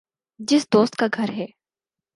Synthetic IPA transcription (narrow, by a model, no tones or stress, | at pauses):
d͡ʒɪsd̪oːst̪̚kaɡʱɐɾɦɛː